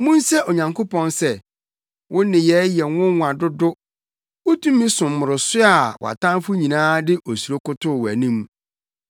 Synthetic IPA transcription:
mũ˦nsɛ˦ʔo˨ɲã˨ŋkʰo˦pʰɔ̃˦nsɛ˦˨ | wʔʊ̃˦nɪ̃˨jɛ˦jɛ˨wʊ̃˦ŋwʷã˨dʊ˦dʊ˦ | wʊ˦tʰũ˦mːĩ˦sʊ̃˨mː˨ʊ˨ɾʊ˨sʊ˦a˨wɔ̰˨a̰˨tʰã˦fʊ˦ɲĩ˨nãː˦dɪ˦ʔo˨su˨o˦kʊ˦tʰʊ˦˨wæ˨nĩ˦m

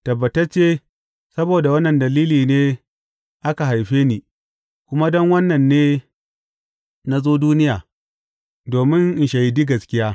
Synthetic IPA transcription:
tɐ˨bːɐ˨tɐ˦rt͡ʃeː˦ | sɐ˦boː˨da˨wɐ˦nːɐ˨ndɐ˨liː˦liː˨neː˦ | ʔa˦ka˨ɦa˨jɸeː˦niː˨ | kʷʊ˦ma˦dɔ˦ŋwɐ˦nːɐ˨nːeː˦ | na˦zoː˦duː˦nɪ˦jaː˨ | doː˨mɪ˦ŋʔɪ˨ʃa˨ji˨di˦ɡɐ˨skʲɪ˦jaː˦

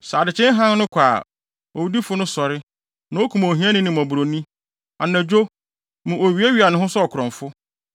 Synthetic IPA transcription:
saː˨dɪ˨t͡ɕʰɛ̃˦n˦ɦã˦n˦nʊ̃˦kʷʰaː˨ | o˨wdi˦fʊ˦nʊ̃˦sɔ˨ɾɪ˦ | nã˨wo˦kʰũ˨mõ˨ɦĩ˦ã˦nɪ̃˦nɪ̃˨mɔ̃˨bu˨ɾo˨nĩ˦ | a̰˨nã˨d͡ʑᶣo˦ | mʊ̃˨ʔo˨ɥi˨e˦ɥi˨a˨nʊ̃˨ɦʊ̃˦sɔ˦ɔ˨kʰʊ˨ɾɔ̃˨ɱfʊ˦

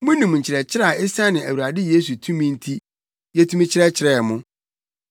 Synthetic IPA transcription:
mʊ̃˦nĩ˨mɲ̩˨t͡ɕʰɪ˨ɾɛ˨t͡ɕʰɪ˦ɾa˦˨ɪ˦sa˦nɪ̃˨æ˨wu˨a˨dɪ˦jeː˦s̬u˨tʰũ˦mĩ˦n̩˦tʰi˦ | jɛ˦tʰũ˦mĩ˦t͡ɕʰɪ˦ɾɛ˦t͡ɕʰɪ˨ɾɛː˨mʊ̃˦

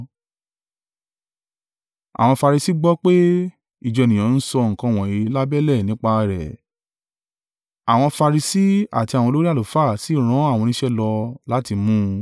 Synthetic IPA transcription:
a̰˨w̃ɔ̃˧fa˧ɾi˧si˦ɡ͡bɔ˦k͡pe˦ | i˦˨d͡ʒɔ˨˧e˨nĩ˨ã˨˧˦n̩˦sɔ˧ŋ̩˨kã˨˦˨w̃ɔ̃˨i˨˦la˦bɛ˦lɛ˦˨nĩ˦k͡pa˧ɾɛ̰˨ | a̰˨w̃ɔ̃˧fa˧ɾi˧si˦a̰˨ti˧a˨wɔ̃˧lo˦ɾi˦a˦˨o˨fa˦˨si˨˦˨ɾ̃ã˨˦a˦˨wɔ̃˧nĩ˦ʃɛ˦lɔ˧la˦ti˧mũ˦

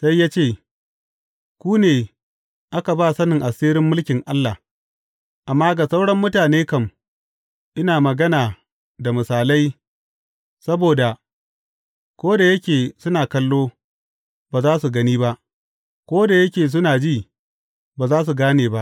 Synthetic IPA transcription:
sa˦jːaː˦t͡ʃeː˦˨ | kʷuː˦neː˨ | ʔa˦ka˨baː˦˨sɐ˦nɪ˨ŋʔa˨siː˦ɾɪ˦mːʊ˦lkʲɪ˨ŋʔa˦lːa˨ | ʔa˨mːaː˦ɡa˨sa˦wɽɐ˦mːʊ˦taː˨neː˦kɐ˦m | ʔɪ˦naː˨mɐ˨ɡɐ˦naː˨ | da˨mʊ˨saː˨la˦j | sɐ˦boː˨da˨ | kʷoː˦da˨jɐ˦kʲeː˨sʊ˦naː˨kɐ˦lːoː˦ | baː˨zaː˦su˨ɡɐ˦niː˦ba˦ʔ | kʷoː˦da˨jɐ˦kʲeː˨s̬ʊ˦naː˨d͡ʒiː˦˨ | baː˨zaː˦s̬u˨ɡaː˦neː˨ba˦ʔ

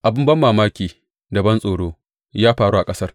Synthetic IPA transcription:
ʔa˨bɪ˦mbɐ˦mːaː˨maː˦kʲiː˨ | dɐ˨bɐ˦nsʼoː˨ɽoː˦ | jaː˦ɸaː˨ɽuː˦ʔa˨kʼɐ˦sɐ˦r

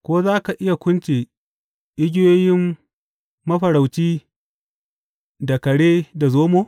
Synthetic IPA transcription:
kʷoː˦zaː˦ka˨ʔɪ˦ja˨kʷʊ˦nt͡ʃe˨ | ʔɪ˦ɡʲɪ˦joː˦jɪ˦mː | ɐ˦ɸɐ˨ɽa˨wt͡ʃiː˦ | da˨kɐ˨ɽeː˦da˨zoː˦moː˦

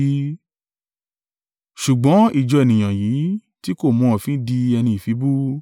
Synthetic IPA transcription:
ʃu˨ɡ͡bɔ̃˨˦i˦˨d͡ʒɔ˧e˨nĩ˨j̃ã˨ji˨˦ti˦ko˦˨mɔ̃˨˧˦fĩ˨˦di˧ɛ˧nĩ˧i˨fi˨˦bu˦

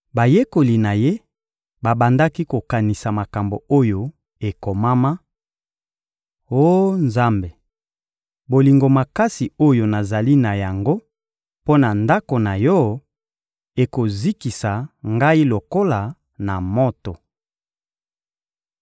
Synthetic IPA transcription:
ba˨je˦ko˨li˨na˨je˦ | ba˨ba˨nda˦ki˦ko˨ka˨ni˨sa˨ma˨ka˨mbo˨o˦jo˨ | e˨ko˨ma˦ma˦ | o˦nza˦mbe˨ | bo˨li˨ŋɡo˨ma˨ka˦si˨o˦jo˨na˨za˨li˦na˨ja˨ŋɡo˦ | po˦na˨nda˦ko˨na˨jɔ˦ | e˨ko˨zi˦ki˨sa˨ŋɡa˦i˦lo˨ko˦la˨ | na˨mo˦to˨

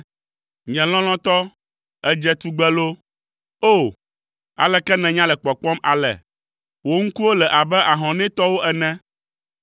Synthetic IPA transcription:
ɲɛ̃˨l̃ɔ̃˦l̃ɔ̃˦t̪ɔ˦ | ɛ˦d͡ʒɛ˦t̪u˦ɡ͡bɛ˦lo˦ | o˦˨ | a̰˨lɛ˨kɛ˦nɛ̃˨ɲã˦lɛ˨k͡pɔ˨k͡pɔ̃˦ma̰˨lɛ̰˨ | wo˦ŋ̩˦ku˦wo˦lɛ˨ʔa˨bɛ˦ʔa˨ɦɔ̃˨nɛ̃˦t̪ɔ˦wo˦ʔɛ˨nɛ̃˦

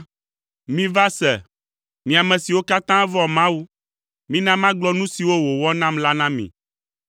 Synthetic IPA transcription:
mĩ˦va˦sɛ˨ | mĩ˨a˨mɛ̃˨si˨wo˦ka˦t̪ã˦vɔ˨mã˦wu˦ | mĩ˦nã˦mã˦ɡ͡blɔ˦nũ˦si˨wo˦wo˨wɔ˦nã˦mla˦nã˦mḭ̃˨

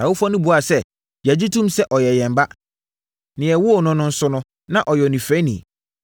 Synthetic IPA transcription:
a˨wo˦fɔ̃˦nʊ̃˦bʊ˨˦a˨sɛ˦ | jæ˨d͡ʑi˦tʰũ˦msɛ˦ʔɔ˨jɛ˨jɛ̃˨m˨ba˦ | nɪ̃˨ɛ˨wʊ˦˨nʊ̃˦nʊ̃˦n̩˦sʊ˦nʊ̃˦ | nã˦ʔɔ˨jɛ˨nĩ˨fɛ˦nḭ̃˨

